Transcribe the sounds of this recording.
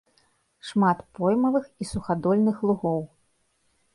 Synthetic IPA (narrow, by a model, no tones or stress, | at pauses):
ʂmat̪pɔjmɐvɨxisuxad̪ɔlʲnɨxlˠuɣɔw